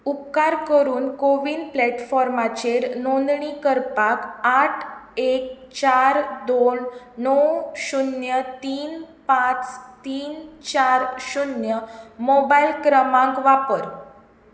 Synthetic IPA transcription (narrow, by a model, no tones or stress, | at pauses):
upkaɾkəɾuːnkoʋiːnplɛʈfɔɾmat͡ɕeɾnõnd̪ɳikəɾpakaʈʰek̚ | t͡ɕaɾd̪onː | ɔɕunjət̪iːn | pãt͡st̪iːnt͡ɕaɾɕunjəmɔbailkɾəmãŋkʋapəɾ